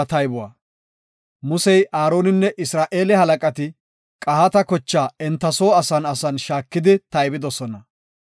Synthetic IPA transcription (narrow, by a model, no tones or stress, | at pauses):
ɐt̪ɐjbʊwa̰ː | mʊsɛjʔaːɾo̞ːnɪnːɛʔɪsɾaːʔe̞ːlɛhɐlɐkʼɐt̪ɪ | kʼɐhɐt̪ɐkɔt͡ʃːaːɛnt̪ːɐso̞ːɐsɐnɐsɐnʃaːkːɪd̪ɪt̪ɐjbɪd̪ɔsɔnɐ